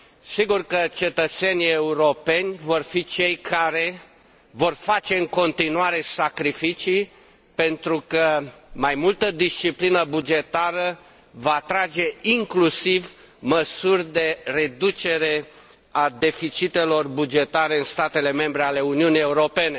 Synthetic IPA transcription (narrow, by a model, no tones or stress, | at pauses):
siɡurkət͡ʃe̞t̪ət̪se̞nʲieuɾo̞pe̞nʲvo̞rfit͡ʃe̞jkʰaɾe̞ | vo̞rfat͡ʃe̞ɨŋko̞nt̪inuaɾe̞sakɾifit͡ʃi | pe̞nt̪ɾukəmajmult̪əd̪ist͡ʃiplinəbud͡ʒe̞t̪aɾə | vaːt̪ɾad͡ʒe̞iŋklusiv | məsurʲd̪e̞re̞d̪ut͡ʃe̞ɾe̞ | ad̪e̞fit͡ʃit̪e̞lo̞rbud͡ʒe̞t̪aɾe̞ɨnst̪at̪e̞le̞me̞mbɾeale̞uniunije̞uɾo̞pe̞ne̞